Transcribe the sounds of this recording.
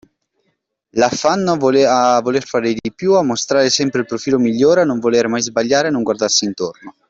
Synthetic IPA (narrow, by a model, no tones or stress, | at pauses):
lafːanːoavolerfaːɾed̪ipjuamːost̪ɾaːɾesɛmpɾeilpɾofiːlomiʎːoːɾeanːoɱvoleɾmajzbaʎːaːɾenːoŋɡward̪arsiːnt̪orno